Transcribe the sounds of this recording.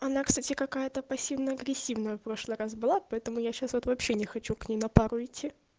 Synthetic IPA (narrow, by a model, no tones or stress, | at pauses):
ɐnakst̪atʲɪkɐkajət̪əpɐsʲivnəɐɡɾʲɪsʲːivnəjəfpɾo̞ʂlˠɨjɾas̬bɨlˠapɐɛt̪əmʊjaɕasvot̪vɐpɕːenʲɪxɐt͡ɕuknʲejnɐpaɾʊɪtʲʰːi